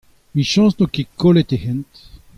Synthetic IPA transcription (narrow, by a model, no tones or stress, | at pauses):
miʃɑ̃snokekolet̪ehɛ̃nt̪